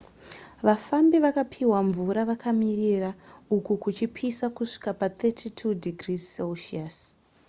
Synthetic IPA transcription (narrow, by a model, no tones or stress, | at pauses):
ʋafambiʋakapʰiwaɱvuɾaʋakʰamiriraukukut͡ʃipʰisakuʂi̥kapat̪etʰitʰudiɡriselʃias